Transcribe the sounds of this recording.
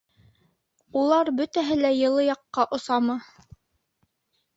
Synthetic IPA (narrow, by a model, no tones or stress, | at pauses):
ulˠɑɾbɵt̪æɦɘlæjɤ̆lˠɤjɑqːɑʔŏsɑmɤ